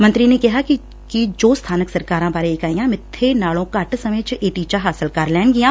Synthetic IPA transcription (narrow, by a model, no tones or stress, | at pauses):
mɐ̃nt̪ɾinekɐɦaki | kid͡ʒoːst̪ʰaːnəksɐɾkaːɾãbaːɾeeːkaːijãmɪt̪ʰːenaːɭõkaːʈʰsɐmet͡ʃʔeːʈiːt͡ʃaɦaːsəlkaːɾlɛːɳɡijãː